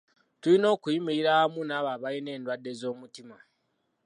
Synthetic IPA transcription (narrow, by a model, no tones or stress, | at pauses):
tulino̞ːkujimiiɾaamunaːβaβajine̞ːndwadːe̞zo̞ːmutima